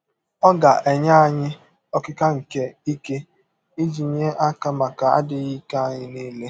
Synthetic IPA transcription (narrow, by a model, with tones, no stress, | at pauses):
ɔ˦ɡa˨ʔe˨ɲa˦a˦ɲɪ˦ | ɔ˦kɪ˦ka˦ŋ̩˨ke˦i˦ke˦ | i˦d͡ʒi˨ɲe˦ʔa˦ka˦ma˨ka˨a̰˦dɪ˨ɣi˦ka˦a˨ɲɪ˦ne˦le˦